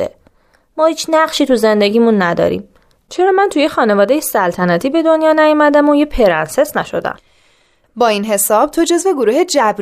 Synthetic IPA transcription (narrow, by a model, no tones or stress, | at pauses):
ḛ | mɒːhiːt͡ʃʰnæɢʃiːt̪ʰuze̞nd̪eɟʲiːmunːæd̪ɒ̰ɾḭːm | t͡ʃʰe̞ɾɒːmænt̪ʰujexɒːne̞vɒːd̪e̞jesælt̪ʰænæt̪ʰiːbe̞d̪o̞njɒːnæjomæd̪æmojepʰe̞ɾænse̞snæʃo̞̰d̪æ̰m | bɒːinɦe̞sɒːb̥̚t̪ʰod͡ʒo̞zve̞ɡoɾuːhed͡ʒæbɾ